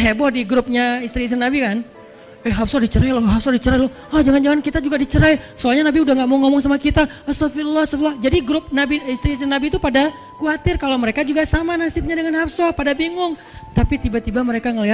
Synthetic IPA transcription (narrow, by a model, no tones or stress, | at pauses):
ɦebɔhdiɡɾʊp̚ɲaist̪ɾiːs̬ɪnːabikan | ɛɦafsɔdit͡ʃəɾɛjlɔɦafsɔdit͡ʃəɾalɔh | ɔhd͡ʒaŋand͡ʒaŋankit̪ad͡ʒuɡadit͡ʃəɾajsoalɲanabiudahŋɡaʔmaŋɔmɔŋs̬amakit̪aasɔfilːahsɔflahd͡ʒadiɡɾʊp̚nabiist̪ɾiːsɪnːabit̪upada | kuat̪ɪrkaloməɾekad͡ʒuɡasamanasɪp̚ɲadəŋanhafsɔpadabiŋʊŋ | t̪apit̪ibat̪ibaməɾekaŋəliɦat̪̚